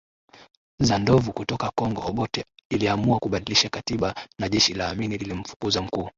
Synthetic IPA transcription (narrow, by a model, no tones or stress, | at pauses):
zandɔvukutɔkakɔŋɡɔɔɓɔtɛiliamuakuɓaɗiliʃakatiɓanaʄɛʃilaːminililim̩fu̥kuzam̩kuː